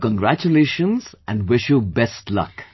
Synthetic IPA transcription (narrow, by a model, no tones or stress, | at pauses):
kə̃nɡɾæt͡ʃuleːʃə̃nzæ̃nɖʋɪʃjubɛsʈlʌ̰k